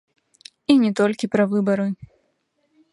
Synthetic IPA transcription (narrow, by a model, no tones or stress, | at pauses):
inʲɛt̪ɔlʲkʲipɾɐvɨbɐɾɨ